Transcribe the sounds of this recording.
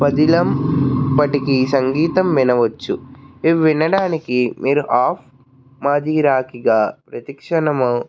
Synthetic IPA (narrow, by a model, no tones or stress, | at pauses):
pɐd̪ilɐmpɐʈikisɐŋɡiːt̪ɐmʋinɐʋɐt͡ʃːuiʋʋːinɐɽaːnikimʔiːɾuʔaːpʰ | maːd͡ʒ̪ʱiːɾaːkiɡaːpɾɐt̪ikʂɐɳɐmɐ